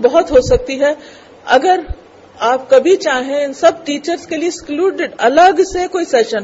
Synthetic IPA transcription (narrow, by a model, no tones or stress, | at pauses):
bɐɦʊt̪ɦosɐk̚t̪iɦɛː | ɐ̰ɡəɾ | aːpkɐbʱit͡ʃaːɦẽɪnsɐb̚ʈiːt͡ʃəɾskelieɪskluːɖɪɖɐləɡsekoːisɛːʃən